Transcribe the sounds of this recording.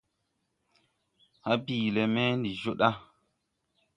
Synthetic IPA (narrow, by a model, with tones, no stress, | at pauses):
ha˦biː˨le˨mɛ˦ndi˨ʒo˦ɗa˦